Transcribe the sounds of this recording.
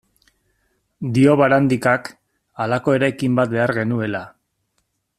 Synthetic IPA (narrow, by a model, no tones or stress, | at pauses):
d̪io̞βaɾand̪ikak | alako̞e̞ɾajkimbat̪̚be̞aɾɣe̞nue̞la